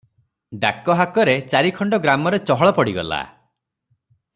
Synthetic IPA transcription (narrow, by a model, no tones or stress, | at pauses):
ɖakɔɦakɔɾet͡ʃaɾikʰɔɳɖɔɡɾamɔɾet͡ʃɔɦɔɭɔpɔɽiɡɔ̰la̰